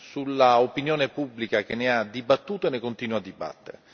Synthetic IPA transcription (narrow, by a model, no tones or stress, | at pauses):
sulːaopinjoːnepubːlikak̟enːead̪ibat̪ːuːt̪oenːekont̪iːnuad̪ːiba̰t̪ːeɾe